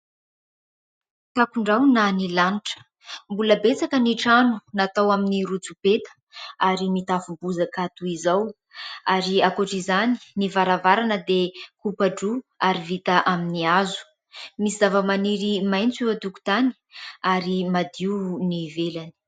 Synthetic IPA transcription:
t̪akuɳɖ͡ʐawnanilaniʈ͡ʂə̥ | mbuləbet͡sakəniʈ͡ʂanunat̪awaminiɾut͡supet̪ə̥ | aɾimit̪afumbuzakat̪uizaw | aɾiakoʈ͡ʂizani̥nivaɾavaɾanəd̪ekupaɖ͡ʐuaɾivit̪aʔaminiazu̥ | misizavəmaniɾimajnt͡sewat̪uku̥t̪ani̥ | aɾimad̪iunivelani̥

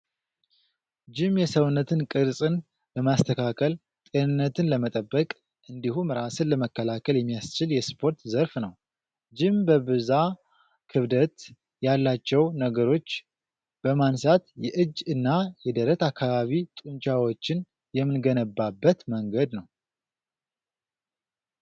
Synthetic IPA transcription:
d͡ʒɪmjɛsəwnːət̪ʰɨnkʼɨɾsʼɨn | bəmast̪ʰəkʰakʰəl | t̪ʼe̞nɨnːət̪ʰɨnləmət̪ʼəbːəkʼ | ʔɨnd̪ihumɾasɨnləməkːəlakʰəljɛmːijast͡ʃɪljɛspʰo̞ɾt̪zəɾfnəw | d͡ʒɪmbəβɨza | kʰɨβd̪ət̪ | jalːat͡ʃːɛwnəɡəɾo̞t͡ʃː | b̥əmansat̪jɛʔɨd͡ʒːɨnːajɛd̪əɾət̪akʰːaβaβit̪ʼunt͡ʃʼawo̞t͡ʃːɪn | jɛmːɨnɡənəbːabːət̪məŋɡəd̪nəw

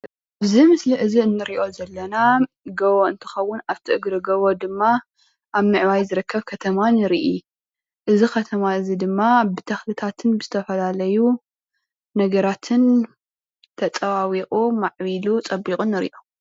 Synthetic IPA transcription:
ʔɨzimɨsliʔɨziɨnːɨɾiʔo̞zɐlːɐna | ɡɐβoɨnt̪ʰɨ̥xɐwːʊnaβt̪ʰiʔɨɡɾɨɡɐβod̪ɨmːa | ʔaβmɨʕwajzɨɾɨkʰːɐβkʰɐt̪ʰɐmanɨɾiʔi | ʔɨzikɐt̪ʰɐmaɨzid̪ɨmːabɨt̪ʰɐxlɨt̪ʰat̪ʰɨnbɨz̥ɨt̪ʰɐfɐlalɐju | nɐɡɐɾat̪ʰɨn | t̪ʰɐt͡sʼɐwawiqʼumaʕβilut͡sʼɐbikʼunːɨɾḭʔo

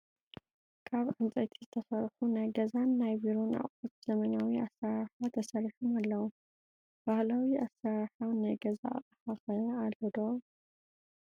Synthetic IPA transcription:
kʰaβʕant͡sʼɐt̪ʰizɨt̪ʰɐsɐɾħunajɡɐzanːajbiɾona̰χʼot̪z̥ɐmɐnawiasːaɾaħat̪ʰɐsɐɾiħumalːɐwu | b̥ahlawiasːaɾħawnajɡɐza̰ːχʼɐħaxɐjɐalːɐd̪o

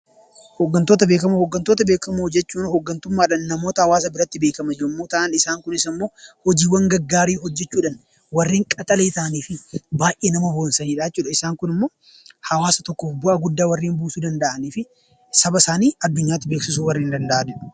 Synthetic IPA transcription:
hoɡːɐnt̪o̞ːt̪̬ɐbeːkɐmuhɔɡːɐnt̪oːt̪ɐbe̞ːkɐmud͡ʒɛt͡ʃːuːnhoɡːɐnt̪ʊmːaːᶑɐnːɐmo̞ːt̪ɐhɐwaːs̬ɐbɪɾɐt̪ːɪbe̞ːkɐmɐd͡ʒɪɾʊmːoːt̪ɐʔɐnɪsaːŋkʊnɪsɐmːoːhɔd͡ʒiːwɐŋɡɐɡːaːɾiːɦɔd͡ʒːɛt͡ʃːuːᶑɐn | wɐrːiːŋkʼɐt̪ʼɐle̞ːt̪aːniːfɪbaːʔeːnɐmɐhoːnsɐniːᶑaːt͡ʃːuːᶑɐɪsaːŋkʊnɪmːo̞ː | hɐwaːsɐt̪ɔkːoːfbʊʔɐɡʊd̪ːaːwɐrːiːmbuːsuːd̪ɐnd̪ɐʔɐniːfɪ | sɐbɐsaːniːɐd̪ːʊɲːaːt̪ːɪbe̞ːksɪs̬uːwɐrːiːnd̪ɐnd̪ɐʔaːd͡ʒɪᶑ̥

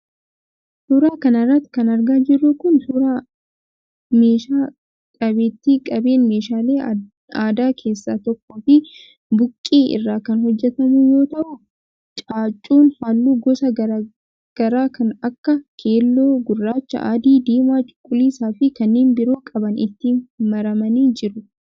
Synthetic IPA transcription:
suːɾaːkɐnɐrːɐt̪ːkɐnɐɾɡaːd͡ʒɪrːʊkʊnsuːɾaː | meːʃaː | kʼɐbeːt̪ːiːkʼɐbe̞ːnme̞ːʃaːleː | aːd̪aːkʰe̞ːsːaːt̪ɔkːoːfɪ | bʊkʼːeːʔɪ̰rːaːkɐnhɔd͡ʒːɛt̪ɐmujo̞ːt̪ɐʔʊ | t͡ʃʼaːt͡ʃʼːuːnhaːlːuːɡɔsɐɡɐɾ | ɡ̥ɐɾaːkʰɐnɐkːɐkʰe̞ːlːoːɡʊrːaːt͡ʃːɐ̰ʔa̰ːd̪iːd̪iːmaːt͡ʃʼʊ̥kʼːʊliːsaːfɪkɐnːeːnbɪɾoːkʼɐbɐnɪ̰t̪ːimɐɾɐmɐniːd͡ʒɪɾʊ

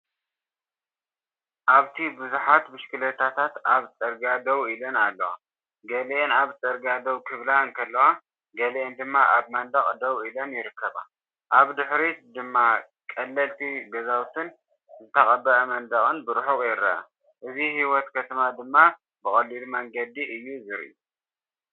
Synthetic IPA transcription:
ʔaβt̪ʰibɨzuħat̪mɨʃkɨlɐt̪ʰat̪ʰat̪aβt͡sʼɐɾɡad̪ɐwilɐnalːɐwa̰ | ɡɐlʔenaβt͡sʼɐɾɡad̪ɐwkʰɨβlaɨnkʰɐlːɐwa | ɡɐleʔend̪ɨmːaʔaβmɐnd̪ɐχʼd̪ɐwilɐnjɪɾɨkːɐβa̰ | ʔaβd̪ɨħɾid̪ɨmːa | kʼɐlːɐlt̪ʰiɡɐzawt̪ʰɨn | zɨt̪ʰɐχʼɐbɐʔɐmɐnd̪ɐχʼɨnbɨɾħuqʼjɛɾɐa̰ | ʔɨzihiwɔt̪kʰɐt̪ʰɐmad̪ɨmːa | bɨχʼɐlːilmɐŋɡɐd̪iʔɨjːuzɨɾ̰ʔu

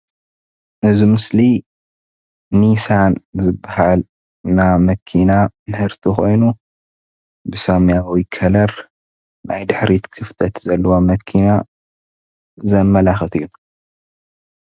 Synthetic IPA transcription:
ʔɨzimɨsli | nisanzɨbːahal | namɐkʰinamɨħɨɾt̪ʰixo̞̰jnu | bɨsomjawikʰɐlɐɾ | najd̪ɨħɾit̪kʰɨft̪ʰɐt̪zɐlːɐwomɐkʰina | zɐmːɐlaxɐt̪ʰɨju

